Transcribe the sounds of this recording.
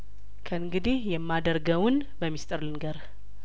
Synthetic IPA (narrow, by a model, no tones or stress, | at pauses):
kʰəɨŋɡɨd̪ihjɛmːad̪əɾɡəwʊn | bəmːist̪ʼɨɾlɨnɡəɾ